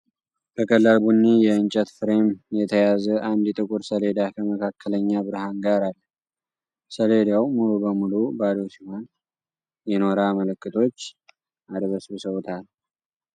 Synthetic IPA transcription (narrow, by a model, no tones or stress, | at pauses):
kʰəkʼəlːalbunːijɛɨnt͡ʃʼət̪fɨɾe̞mjɛt̪ʰəjazəʔand̪ɛt̪ʼɨkʼuɾsəle̞d̪akʰəməkʰakʰːələɲːabɨɾɦanɡaɾalːə | səled̪awmulubəmulubad̪osihan | jɛno̞ɾamələkːɨt̪ʰo̞t͡ʃː | ʔad̪βəsβsəwt̪ʰal